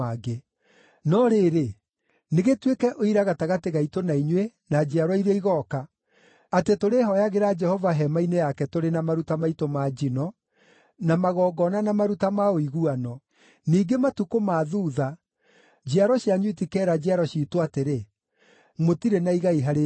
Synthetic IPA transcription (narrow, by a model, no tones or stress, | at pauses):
aɡe | nɔɾeɾe | neɣetwekɛʔoiɾaɣataɣateɣaitonaiɲwe | nad͡ʒeaɾɔiɾeiɣɔka | atetoɾeɦɔjaɣeɾad͡ʒɛhɔvaɦɛmainejakɛtoɾenamaɾutamaitomad͡ʒinɔ | namaɣɔːɡɔnanamaɾutamaoiɣuanɔ | niːɡematukomaːðuːða | d͡ʒeaɾɔɕiaɲwitikɛːɾad͡ʒeaɾɔɕiːtoateɾe | motiɾenaiɣaiɦaɾe